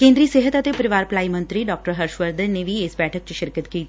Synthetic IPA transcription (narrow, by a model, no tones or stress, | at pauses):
kẽːnd̪ɾiːseːɦət̪ɐt̪epɐɾɪʋaːɾplaːimɐ̃nt̪ɾiɖɔːk̚ʈəɾɦɐɾʃʋəɾd̪əneʋʱiɪsbɛːʈʰəkt͡ʃʃɪɾkət̪kiːt̪